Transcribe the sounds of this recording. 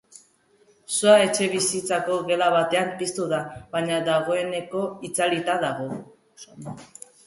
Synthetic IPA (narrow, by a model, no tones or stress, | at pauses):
suae̞t͡ʃe̞βisit͡sako̞ɣe̞laβat̪e̞anist̪uðaβaɲaðaɣ̞o̞e̞ne̞ko̞it͡salit̪aðaɣo̞ | snd̪